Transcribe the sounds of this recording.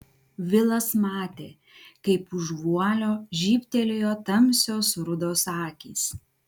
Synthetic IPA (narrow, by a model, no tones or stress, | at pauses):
ʋʲɪlˠɐsmɑːt̪ʲeː | kɐɪpʊʒʋuɔlʲoːʒʲiːpʲt̪ʲɛlʲejoːt̪ɐmʲsʲoːsɾʊd̪oːsɑːkʲiːs